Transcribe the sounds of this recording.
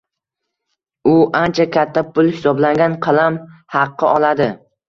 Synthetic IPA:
ʊʔant͡ʃʰakʲʰat̪ʰːapʰʊlˠhɪsɒblaŋɡʲanqʰɑlˠamhɑqːɨɒlˠad̪ɪ

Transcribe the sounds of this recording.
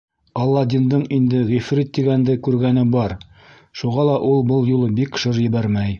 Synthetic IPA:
ɒlˠːɑd̪ind̪ɤɴind̪ɘʁifɾit̪ːiɡænd̪ɘkʉɾɡænɘbɒɾ | ʃuʁɑlˠɑʔulˠbɤlˠjulˠɤbikʃɤɾjɘ̆βæɾmæj

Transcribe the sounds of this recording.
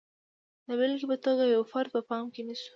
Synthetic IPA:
d̪aβɪlkbət̪əɡajawfaɾd̪̚pəpɑmkenisu̥

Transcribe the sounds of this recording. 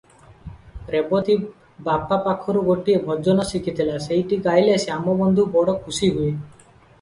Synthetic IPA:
ɾepot̪i | bapːapakʰːɔɾuɡoʈːiebʱɔd͡ʒɔnɔsikʰit̪ʰilasejʈiɡajlesiamɔbɔnd̪ʱubɔɽɔkʰusiɦue

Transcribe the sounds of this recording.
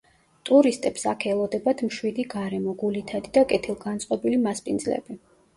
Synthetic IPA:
t̪ʼuɾist̪ʼɛpsakʰɛlˠɔd̪ɛbat̪ʰmʃwid̪iɡaɾɛmɔɡulit̪ʰad̪id̪akʼɛt̪ʰilˠɡant̪sʼqʼɔbilimaspʼind̪zlɛ̰bi

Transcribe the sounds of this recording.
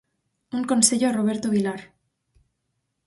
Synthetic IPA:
uŋko̞nse̞ʎoaroβ̞e̞ɾt̪oβ̞ilaɾ

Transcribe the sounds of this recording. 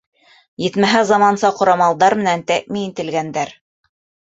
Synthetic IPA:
jɘ̆t̪mæɦæzɑmɑnsɑqŏɾɑmɑlˠd̪ɑɾmɘ̆nænt̪æk̚miint̪ɘ̆lɡænd̪æɾ

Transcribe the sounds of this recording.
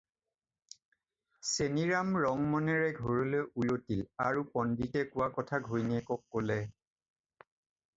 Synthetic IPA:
seniɹamɹɔŋmɔnɛɹɛɡʱoɹɔlojʔujotilaɹupɔnditɛkʊwakɔtʰaɡʱojniɛkɔkːolɛ

